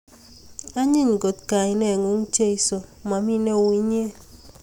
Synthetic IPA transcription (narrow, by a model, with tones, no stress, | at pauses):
a˦ɲi˦˨ɲɡo˨t̪ka˨ɪ˨nɛ˦˨ŋu˨˦ŋ˦t͡ʃe˦i˨so˨ma˨mi˦ne˦˨wi˦ɲe˦